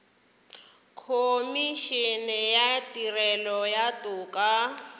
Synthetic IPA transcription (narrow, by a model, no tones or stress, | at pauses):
kʰomiʃɛnɛjatirɛlɔjatuːkʼa